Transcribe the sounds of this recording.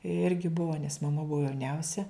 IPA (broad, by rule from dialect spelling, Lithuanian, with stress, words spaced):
ˈɪrʲɡʲɪ ˈbuɔ nʲɛs mɐˈmɐ ˈbuɔ jɛʊˈnʲɛʊsʲɛ